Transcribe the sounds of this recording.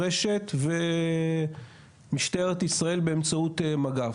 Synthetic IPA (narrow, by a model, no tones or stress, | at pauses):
eʃe̞t̪ve | miʃt̪aeʁet̪isʁae̞lbe̞emt͡saut̪emaɡa